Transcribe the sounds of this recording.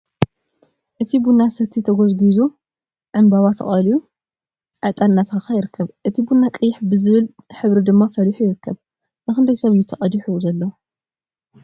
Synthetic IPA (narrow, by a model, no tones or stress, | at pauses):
ʔɨt̪ʰibunːasɐt̪ʰːit̪ʰɐɡozɡizu | ʕɨmbaβat̪ʰɐ̰χʼɐliju | ʕɨt̪ʼannːat̪ʰakʰajɪɾɨkʰːɐβʔɨt̪ʰibunːakʼɨjːɪħbɨzɨβɨlħɨβɾid̪ɨmːafɐliħujɪɾɨkʰːɐβ | nɨxɨnd̪ɐjsɐβɨjːut̪ʰɐχʼɐd̪iħuzɐlːɐ